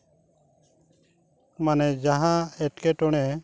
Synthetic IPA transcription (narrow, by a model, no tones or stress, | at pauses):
manɛd͡ʒaɦãɛʈ̚kɛʈɔɽ̃ɛ